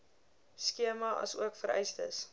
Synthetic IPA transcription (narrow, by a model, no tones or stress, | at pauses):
skiəmɐʔɐ̰suəkfəɾɛ̰jstə̰s